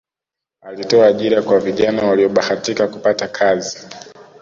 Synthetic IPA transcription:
alitɔaːʄiɾakwaviʄanawaliɔɓahatikaku̥patakʰazi

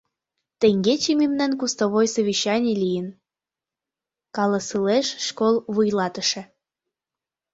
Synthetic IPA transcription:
t̪ĕŋɡet͡ɕimimnɑnkust̪oβojsəβiɕɑnʲelijən | kɑləsɯleʃːkolˠβujlɑt̪əʃĕ

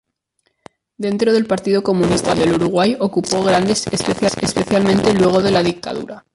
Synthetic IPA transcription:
d̪e̞nt̪ɾo̞ð̞e̞lpaɾt̪iðoko̞mũnist̪aðe̞luɾuɣ̞wajo̞kupoɣ̞ɾand̪e̞sespe̞θjasespe̞θjalmẽnt̪e̞lwe̞ɣ̞o̞ð̞e̞lað̞ik̚t̪a̰ðṵɾa

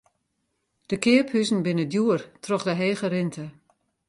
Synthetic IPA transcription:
d̥əkɪəphyzn̩bɪnədjuərtrɔχdəɦeːɣəɾɪntʰə

